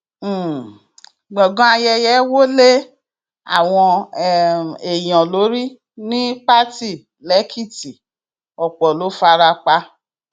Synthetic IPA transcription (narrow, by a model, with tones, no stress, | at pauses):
ɡ͡bɔ˨ɡɔ̃˨˦a˧jɛ˧jɛ˨˦wo˦le˦ | a̰˦˨w̃ɔ̃˧˨ | e˨j̃ɔ̃˨lo˨˦ɾi˦ | nĩ˦pa˦ti˦˨ | lɛ˨˦kʰi˦˨ti˨ | ɔ˨k͡pɔ˨lo˨˦fa˧ɾa˧k͡pa˧